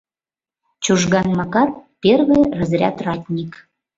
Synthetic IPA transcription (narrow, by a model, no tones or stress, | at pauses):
t͡ɕuʒɣɑnmɑkɑt̪̚pʲerβejrəzɾʲæ̰t̪rɑtʲnʲik